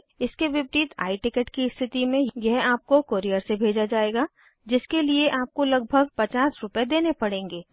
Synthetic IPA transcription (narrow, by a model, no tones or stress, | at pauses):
ɪskeʋɪpɾiːt̪a̰ːiʈɪkəʈkiɪst̪ʰɪt̪imẽjjɛɦaːp̚kokoːɾijəɾsebʱeːd͡ʒad͡ʒaːeːɡaː | d͡ʒɪskelieʔaːp̚kolɐɡ̚bʱəɡpɐt͡ʃaːsɾʊped̪eːnepɐɽẽːŋɡeː